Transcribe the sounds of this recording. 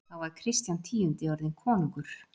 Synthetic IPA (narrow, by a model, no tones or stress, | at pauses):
θawvaɾ̥kʰɾɪst̪jant̪ʰiːʏnt̪ɪɔɾðɪnkʰɔːnuŋkʏɾ̥